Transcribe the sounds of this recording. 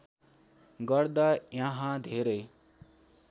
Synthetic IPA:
ɡʌrd̪ajʌɦãd̪ʱeɾʌj

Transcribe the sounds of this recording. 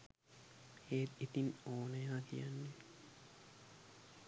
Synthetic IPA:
heːt̪it̪inoːnɐjaːk̪ʰḭjɐnːe

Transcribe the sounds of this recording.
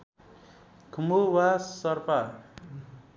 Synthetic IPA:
kʰumuwasʌɾpa

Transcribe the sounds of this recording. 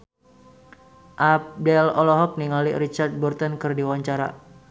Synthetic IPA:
ʔapdɛlɔlɔɦɔk̚niŋalḭrit͡ʃart̪̚burt̪ənkɨrdiwaɲt͡ʃaɾa̰

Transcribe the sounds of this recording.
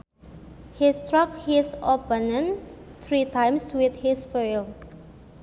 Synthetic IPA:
histɹʌkhisopə̃nə̃nt̪ʰɹitʰãj̃mswɪt̪hisfol

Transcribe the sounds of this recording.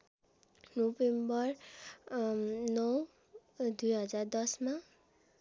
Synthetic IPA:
nobembʌr | nʌw | d̪ujɦʌd͡zard̪ʌsma

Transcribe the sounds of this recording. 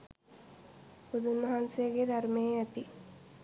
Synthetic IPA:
pud̪unʋɐɦansejɡed̪ʱɐɾmeæt̪i

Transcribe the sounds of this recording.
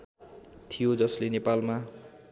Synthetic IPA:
t̪ʰijod͡zʌslenepalma

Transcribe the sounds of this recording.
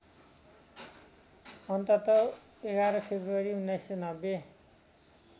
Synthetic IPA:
ʌnt̪ʌt̪ʌ | eɡaɾʌpʰebruʌɾiunːajsʌnʌbe

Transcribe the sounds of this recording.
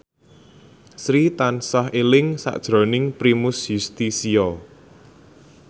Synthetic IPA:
sɾit̪ansɔɦelɪŋsa̰ʔd̥ʒ̥ɾo̤nɪŋpɾimʊsjust̪isiɔ

